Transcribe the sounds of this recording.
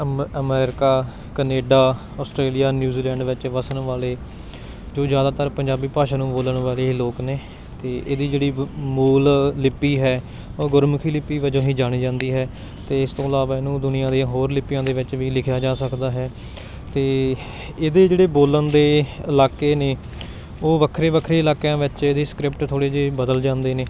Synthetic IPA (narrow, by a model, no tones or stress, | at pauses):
əmɛːɾɪkaː | kəneːɖaː | ɔːsʈɾeːlijaːnjuːziːlɛ̃ːɳɖʋɪt͡ʃʋəsəɳʋaːleː | d͡ʒoːzjaːd̪aːt̪əɾpəɲd͡ʒaːbiːpaːʃaːnũːboːləɳʋaːleːloːkneː | t̪eːʔḛːd̪iːd͡ʒeːɽiːmuːllɪpːiːɦɛː | oːɡʊɾmʊkʰiːlɪpːiːʋəd͡ʒõːɦĩːd͡ʒaːɽ̃iːd͡ʒãːnd̪iːɦɛː | t̪eːɪst̪õːlaːʋaːɪnũːd̪ʊnɪjãːd̪eãːɦoːɾlɪpːɪjãːd̪eːʋɪt͡ʃʋiːlɪkʰjaːd͡ʒaːsəkd̪aːɦɛː | t̪eː | eːd̪eːd͡ʒeːɽeːboːlənd̪eːɪlaːkeːneː | oːʋəkʰɾeːʋəkʰɾeːɪlaːkjãːʋɪt͡ʃeːd̪eːskɾɪpʈt̪ʰoːɽeːd͡ʒeːbəd̪əld͡ʒãːnd̪eːneː